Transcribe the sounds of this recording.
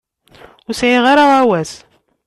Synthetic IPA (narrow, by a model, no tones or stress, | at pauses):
ʊɾsʕiʁaɾaʁawæs